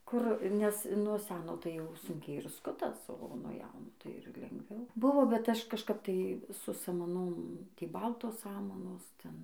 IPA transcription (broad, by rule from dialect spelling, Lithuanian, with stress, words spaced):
ˈkʊr nʲɛs nuɔ ˈsʲæːnoː tɐɪ jɛʊ ˈsʊŋʲkʲɛɪ ɪr ˈskʊtɐs oː nuɔ ˈjɛʊnoː tɐɪ ɪr lʲɛŋɡˈʋʲɛʊ ˈbʊʋoː bʲɛt ˈɐʃ kɐʃˈkɐp tɐɪ sʊ sɐmɐˈnoːm ˈtʲiː ˈbɐlˠtoːs ˈsɑːmɐnoːs ˈtʲɛn